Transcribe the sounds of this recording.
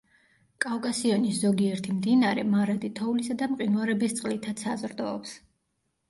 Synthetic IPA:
kʼavkʼasiɔniszɔɡiɛɾt̪ʰimd̪inaɾɛmaɾad̪it̪ʰɔulisad̪amqʼinuaɾɛbist̪sʼqʼlit̪ʰat̪sʰazɾd̪ɔːps

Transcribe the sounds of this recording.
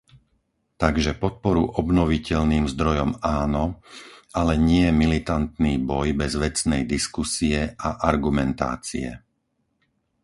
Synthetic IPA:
t̪aɡʒɛpɔt̪̚pɔɾuʔɔbnɔʋicɛʎniːmzd̪ɾɔjɔmaːnɔʔalɛɲɪɛmilit̪ant̪niːbɔjbɛzʋɛt͡snɛjd̪iskusiɛʔaʔaɾɡumɛnt̪a̰ːt͡sḭɛ̰

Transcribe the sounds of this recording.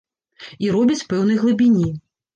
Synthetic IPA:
iɾɔbʲit͡sʲpɛwnɨjɣlˠɨbʲinʲi

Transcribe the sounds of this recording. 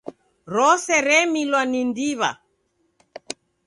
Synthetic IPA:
ɾɔsɛɾɛmilwanindiβa̰

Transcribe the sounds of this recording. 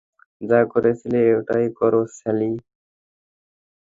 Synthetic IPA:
d͡zakɔɾet͡sʰileːwʈaikɔɾosɛli

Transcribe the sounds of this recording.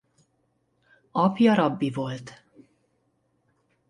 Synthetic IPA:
ɒpjɒɾɒbːivo̞lt̪

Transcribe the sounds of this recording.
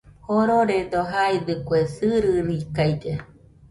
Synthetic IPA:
hoɾoɾed̪oɦajd̪ɨkʷesɨɾɨnikajd͡ʒe

